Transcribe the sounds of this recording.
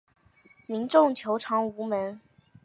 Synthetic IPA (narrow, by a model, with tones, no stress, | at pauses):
mi˧˥nʈ͡ʂʊ˥˩ŋt͡ɕʰjo˧˥ʊʈ͡ʂʰɑ˧˥ŋu˧˥mə˧˥n